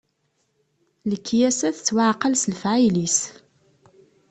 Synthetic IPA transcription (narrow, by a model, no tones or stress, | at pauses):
ləkːjæsæθt͡sːwaʕqːəlsləfʕajlis